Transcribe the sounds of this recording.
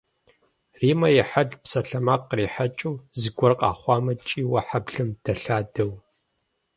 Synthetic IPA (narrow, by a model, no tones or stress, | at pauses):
riːmɐjɛħadpsɐɬɐmaqːriːħat͡ʃʼuːzɨɡʷɔrqʼɑ̰ːχʷɑːmɐt͡ʃʼiːwɐħabɮɨmd̥ɐɬaːdɐw